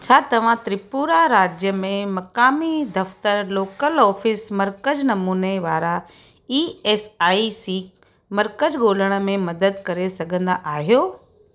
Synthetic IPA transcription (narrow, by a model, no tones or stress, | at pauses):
t͡ɕʰaːt̪ɐʋ̤ãt̪ɾɪpuːɾaɾaːd͡ʑjəmẽmɐkaːmid̪ɐft̪əɾloːkəlɔːfɪsmɐɾkəd͡ʑnɐmuːneʋaːɾa | iːeːsaːisiːk | mɐɾkəd͡ʑɡoːləɽ̃ə̆mẽmɐd̪əd̪kɐɾesɐɡʱə̃nd̪aʔaːɦijoː